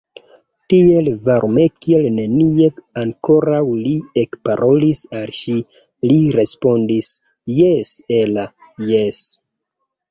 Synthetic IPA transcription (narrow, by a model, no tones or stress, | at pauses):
tie̞lvaɾme̞kielne̞nie̞aŋkʰo̞ɾawliekpaɾʔo̞lisalʃi | liɾe̞spo̞ndis | jesela | jes